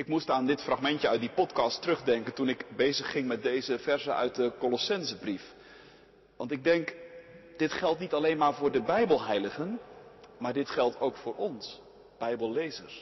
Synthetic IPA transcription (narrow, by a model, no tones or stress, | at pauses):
ɪkmustaːndɪtfraχmɛntjəœɥt̚dipɔtkɑstərɵχdɛŋkəntunɪkbejzəχːɪŋmɛt̚dejzəvɛɹzənʔœ̰ɥt̚dəkolɔsɛnzəbrif | ʋɑ̰ntɪɡ̚dɛŋkd̥ɪtχɛlˠtnitɑlejnmaːɹvʊːɹdəbɛjbəlˠɦɛjləχənmaːɹdɪtχɛlˠtʰowkfʊːɹɔns | b̥ɛjbəlˠlejzəɹs